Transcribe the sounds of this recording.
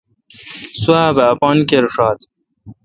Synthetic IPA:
suaːbɐːpɑːnkeɾuʂɑːt̪

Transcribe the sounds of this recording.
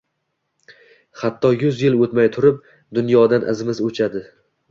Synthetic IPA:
χat̪ʰːɒjʊzjɪlˠot̪majt̪ʰʊɾɪp̚ | d̪ʊnjɒd̪anʔa̰zɪmɪzot͡ʃʰad̪ɪ

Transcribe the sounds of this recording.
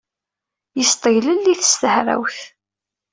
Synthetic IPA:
jəst̪ˤəjləlːiθəst̪əhɾæ̰wθ

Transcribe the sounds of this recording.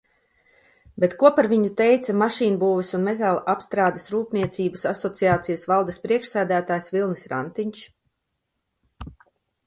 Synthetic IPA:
bet̪kuɔpaɾviɲut̪ɛjt̪samaʃiːnbuːvɛsunmɛt̪alˠʔapst̪ɾaːd̪ɐsɾuːpniɛt̪siːbasasɔt̪siaːt̪sijasvalˠd̪ɐspɾiɛkʃsæːd̪æːt̪aːjsvilˠnisɾa̰nt̪iɲʲt͡ʃ

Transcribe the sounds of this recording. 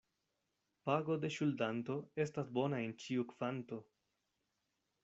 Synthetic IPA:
paɡo̞de̞ʃuldanto̞e̞stasbo̞nae̞nt͡ʃiukv̥anto̞

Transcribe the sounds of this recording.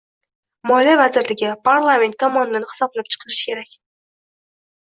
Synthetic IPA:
mɒlijavazɪɾlɪɡʲɪpʰaɾlˠamʲe̞nt̪̚k̪ʰɒmɒnd̪anɪhɨ̥sɒblap̚t͡ʃʰɨ̥qʰɨɾɪʃkʲʰe̞ɾakʲ

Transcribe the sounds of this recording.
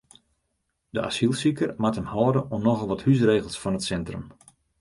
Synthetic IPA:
dəʔa̰silˠsikərmathəmhɔːdənɔmnɔɣəlˠʋɔthys̬reːɣəlˠsfɔnətsɛntrəm

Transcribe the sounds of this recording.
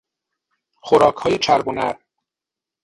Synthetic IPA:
xoɾɒːkʰhɒːjet͡ʃʰæɾbonæ̰ɾ

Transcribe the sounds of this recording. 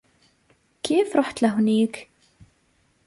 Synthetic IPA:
kifɾˤoħt̪læɦnik

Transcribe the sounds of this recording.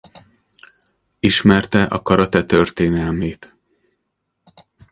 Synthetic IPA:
iʃmɛrt̪ɛʔɒ̰kɒɾɒt̪ɛt̪ørt̪eːnɛlmeːt̪

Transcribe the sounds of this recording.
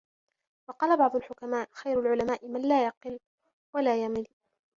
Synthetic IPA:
wɑqɑːlabɑʕd̪ˤʊlħʊkamaːʔxajɾʊlʕʊlamaːʔɪmanlaːjɑqɨl | walaːjamɪl

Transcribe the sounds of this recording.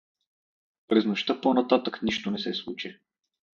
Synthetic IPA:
pɾɛznoʃt̪ɤponɐt̪at̪əkniʃt̪onɛsɛslˠut͡ʃi

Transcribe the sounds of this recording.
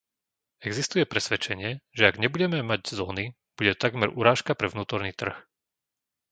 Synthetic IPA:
ɛɡzist̪ujɛpɾɛsʋɛt͡ʃɛɲɪɛʒɛaɡɲɛbuɟɛmɛmaɟzɔːni | b̥uɟɛt̪ɔ̥t̪aɡmɛɾuɾaːʃkapɾɛʋnuːt̪ɔɾniːt̪r̩x

